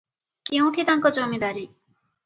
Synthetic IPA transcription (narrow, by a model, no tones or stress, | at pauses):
kiũʈʰit̪aŋkɔd͡ʒomid̪aɾi